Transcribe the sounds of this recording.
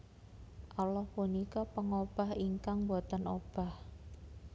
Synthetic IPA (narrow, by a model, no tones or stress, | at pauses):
ʔɔlɔhpunikapəŋob̥a̤hiŋkaŋbat̪ənob̥a̤h